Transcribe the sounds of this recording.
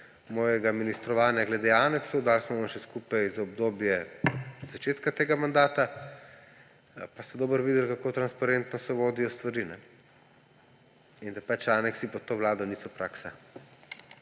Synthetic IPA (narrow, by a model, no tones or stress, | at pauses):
mɔːjɛɡaminist̪ɾɔʋaːnjaɡlɛd̪eaːnɛksɔd̪aːlsmɔʋamʃɛskupajzɔbd̪oːbjɛ | zat͡ʃeːt̪kat̪eːɡamand̪aːt̪a | past̪ad̪oːbəɾʋiːd̪ɛlkakoːt̪ɾanspaɾent̪nɔsɛʋoːd̪ijɔst̪ʋaɾinɛ | ind̪apat͡ʃanɛksipɔt̪oːʋlaːd̪ɔniːsɔpɾaːksa